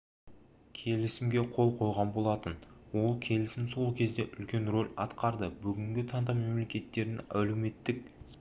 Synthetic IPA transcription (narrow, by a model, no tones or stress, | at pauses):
kʲʰe̞lɪsɪmɡʲe̞qʰo̞lˠqʰo̞jʁɑnbo̞lˠɑt̪ənwo̞lˠkʲʰe̞lɪsɪmso̞lˠkʲʰe̞zd̪e̞ʔʏlkʲe̞nro̞lʲɑt̪qɑɾd̪əbʏɡʲɪŋɡʲɪt̪ʰɑnd̪ɑme̞mlekʲe̞t̪ːe̞ɾd̪ɪŋæ̰wlewme̞t̪ːɪk̚